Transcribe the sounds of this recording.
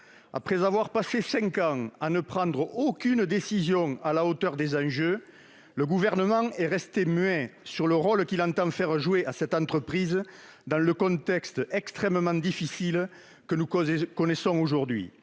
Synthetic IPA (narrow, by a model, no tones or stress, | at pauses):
a̰pχɛzavwaʁpasesɛ̃ŋkɑ̃anəpχɑ̃d̪ʁəokynəd̪esizjɔ̃alaot̪œʁd̪ezɑ̃ʒø | ləɡuvɛʁnəmɑ̃ŋɛʁɛst̪emɥɛ̃syʁləʁɔlkilɑ̃t̪ɑ̃fɛʁəʒueʔasɛt̪ɑ̃nt̪χəpχizə | d̪ɑ̃ləkɔ̃nt̪ɛkst̪ɛkst̪χɛməmɑ̃d̪ifisil | kənukɔnesɔ̃oʒuʁd̪ɥḭ